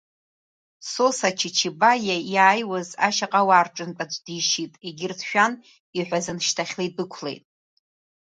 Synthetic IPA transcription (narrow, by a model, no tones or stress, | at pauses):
sosat͡ʃʰit͡ʃʰibajajaːjwazaʃaqʼawaːrʈ͡ʂʼɨntʼat͡ʃʷʼdiʃitʼeɡʲɪrtʰʃᶣan | iħʷᶣazɨnʃtʰaχʲlejt̚ʼbɨkʷʰlḛjtʼ